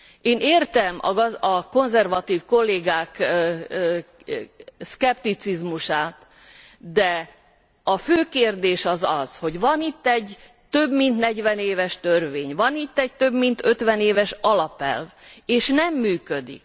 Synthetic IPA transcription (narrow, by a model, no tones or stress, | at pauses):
eːneːrt̪ɛmɒ̰ɒko̞nzɛrvɒt̪iːfko̞lːeːɡaːk | skɛpt̪it̪sizmuʃaːt̪ | d̪ɛ | ɒføːkeːrd̪eːʃɒzɒzho̞ɟvɒnit̪ːɛɟ | t̪ø̞bmint̪nɛɟʋɛneːvɛʃt̪ø̞rʋeːɲvɒnit̪ːɛc̚t̪øbmint̪ø̞t̪ʋɛneːvɛʃɒlɒpɛ̰lveːʃnɛmːyːkød̪ḭk̚